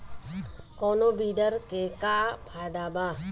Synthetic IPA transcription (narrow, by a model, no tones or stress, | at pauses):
koːnoːbiːɖəɾkeːkaːpʰaːd̪aːbaː